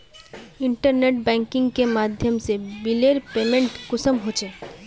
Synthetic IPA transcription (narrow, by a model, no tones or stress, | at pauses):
iɳʈəɾneʈ̚bɛ̃ŋkiŋɡkemad̪ʱjəmsebileɾpemẽɳʈkʊsəmɦot͡ʃʰe